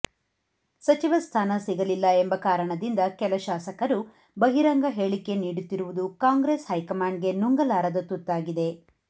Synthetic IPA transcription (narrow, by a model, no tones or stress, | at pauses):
sɐt͡ʃiʋɐst̪ʰaːnɐsiɡɐlilːɐembɐkaːɾɐɳɐd̪ind̪ɐkɛlɐʃaːsɐkɐɾu | bɐɦiɾɐŋɡɐɦeːɭike̞niːɽut̪ːiɾuʋud̪ukaːŋɡɾeshɐjkɐmaːɳɖ̚ɡe̞nuŋɡɐlaːɾɐd̪ɐt̪ut̪ːaːɡid̪e̞